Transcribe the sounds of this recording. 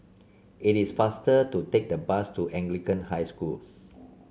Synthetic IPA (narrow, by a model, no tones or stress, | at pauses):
itisfastətutek̚dəbastuʔɛ̃ŋɡlikə̃nhajskul